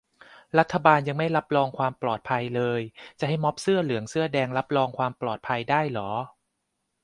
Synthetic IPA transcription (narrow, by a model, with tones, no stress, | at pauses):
ɾa˦˥t̪ʰːa˧baː˧nja˧ŋma˥˩jla˦˥p̚ɾɔː˧ŋkʰwaː˧mplɔː˨˩t̪̚pʰa˧jlɤː˧jt͡ɕa˨˩ɦa˥˩jmɔ˦˥p̚sɯ˥˩ɐlɯ˩˦əŋsɯ˥˩ɐdɛː˧ŋla˦˥p̚ɾɔː˧ŋkʰwaː˧mplɔː˨˩t̪̚pʰa˧jdaː˥˩jlɔː˩˦